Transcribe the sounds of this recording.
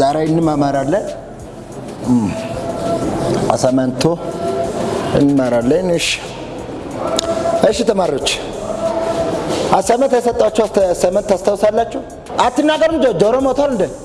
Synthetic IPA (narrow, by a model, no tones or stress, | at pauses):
zaɾajɨnːɨmamaɾalːə | m | a̰samant̪ʰːo | ɨnːɨmaɾalːənəʃ | əʃɪt̪ʰəmaɾot͡ʃː | hasamənt̪asət̪ʼːat͡ʃːɛsəmənt̪ːast̪ʰawsalːat͡ʃːɛw | at̪ːɨnːaɡəɾumd͡ʒod͡ʒoɾomot̪ʰalɨnd̪ə